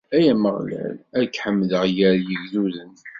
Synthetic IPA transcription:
æjæməʁlæ̰lækːħəmːðəʁjəɾjəʝðuðən

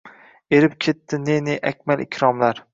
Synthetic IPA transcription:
e̞ɾɪpkʲʰe̞t̪ʰːɪneneʔakʲmalɪkʲʰɾɒmlaɾ

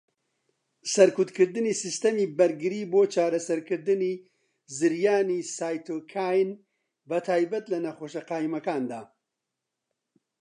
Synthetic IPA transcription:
sɐɾkut̪kɨɾd̪ɨniːsist̪ɐmiːbɐɾɡɨɾiːboːt͡ʃaːɾɐsɐɾkɨɾd̪ɨniː | zɨɾjaːniːsaːjt̪ʰoːkʰaːjn | bɐt̪ʰaːjbɐt̪lɐnɐxoːʃɐqaːimɐkaːnd̪aː

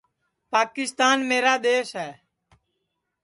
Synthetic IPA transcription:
paːkɪst̪aːnmeːɾaːd̪eːʃɦɛː

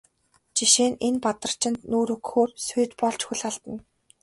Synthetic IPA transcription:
t͡ɕiʃeːnenpat̪ə̆r̥t͡ɕʰɪ̆nt̪nuːɾɵkxoːrsʊjt̪pɔɮt͡ɕxɵ̆ɮaɮt̪ə̆n

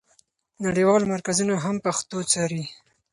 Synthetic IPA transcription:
naɽewɑlmaɾkazunoɦampaxt̪ot͡sɑɾi

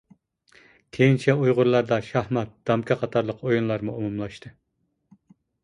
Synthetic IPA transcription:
kʲʰejnt͡ʃʰɛujʁʊɾlˠɑɾd̪ɑʃɑhmɑt̪̚d̪̥ɑmkʲʰɑqʰɑt̪ʰɑɾlˠəqʰojunlˠɑɾmuumumlˠɑʃt̪ʰɨ

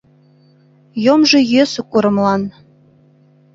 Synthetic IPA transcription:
jomʒĕjøsokuɾɤ̆mlɑn

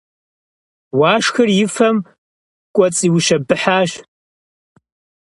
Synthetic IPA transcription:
waːʂxɨrjɪfɐm | kʷʼɔt͡sʼiːwʃɐbɨħaːʒ

